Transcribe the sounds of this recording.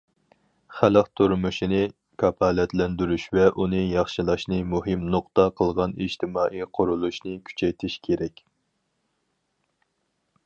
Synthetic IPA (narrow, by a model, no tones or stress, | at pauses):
χæləqt̪ʰuɾmuʃinɨ | kʰɑpʰɑːlɛt̪lɛnd̪yɾyʃvɛʔunɨjɑχʃilˠɑʃnɨmuɦɨmnoqt̪ɑqʰəlˠʁɑnḭʒt̪ʰɪmɑːʔijqʰʊɾulˠuʃnɨkʲʰy̥t͡ʃʰɛjt̪ʰɪʃkʲʰeɾɛkʲ